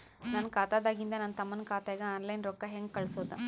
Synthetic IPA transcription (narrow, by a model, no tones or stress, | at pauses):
nankaːt̪aːd̪aːɡind̪ɐnaːnt̪ɐmːɐnkaːt̪eːɡɐaːnlɐjnɾɔkːɐɦeŋɡ̚kɐɭsoːt̪ɐ